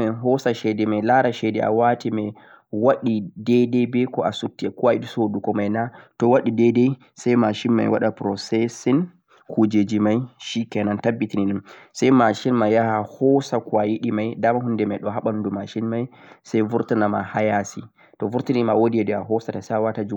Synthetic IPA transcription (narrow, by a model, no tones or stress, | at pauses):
ɛɦɔsaʃɛdɛmɛjlaɾaʃɛdɛʔa̰watimɛ | waɗidɛdɛbɛkɔasutːiɛkuwaiɗisodukɔmajnatɔwaɗidɛdɛj | sajmaʃinma̰jwa̰ɗapɾɔsɛsɛn | kud͡ʒed͡ʒimajʃikɛnantabːitininɛnsajmaʃinmajːahahɔsakwajiɗimajdamaɦundɛmajɗɔɦaɓandumaʃinmajsajvuɾtanama̰hajasi | tɔvuɾtinimawodiɛdɛa̰ɦɔsatasajawatad͡ʒu